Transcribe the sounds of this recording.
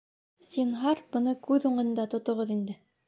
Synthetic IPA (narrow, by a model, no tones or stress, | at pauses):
zinɦɑɾbŏnɤkʉðuɴɤ̆nd̪ɑt̪ŏt̪ŏʁɤðind̪ɘ